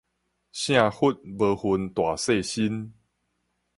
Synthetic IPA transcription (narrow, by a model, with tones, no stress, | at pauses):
ɕj̃ã˥˨hu˦t̚bə˧˦hu˨˦nt̪wa˨˩se˥˨ɕi˦n